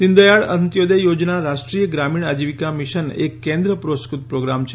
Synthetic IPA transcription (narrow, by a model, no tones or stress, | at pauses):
nind̪əjaɭənt̪jod̪ejod͡ʒnaɾaʃʈɾijəɡɾamiɳad͡ʒiʋikamiʃənḛkːẽnd̪ɾəpɾoskut̪̚pɾoɡɾamt͡ʃʰ